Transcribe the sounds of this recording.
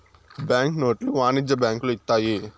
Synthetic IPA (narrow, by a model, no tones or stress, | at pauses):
bjaːŋknoːʈluʋaːnid͡ʒɐbaːŋkluit̪ːaːji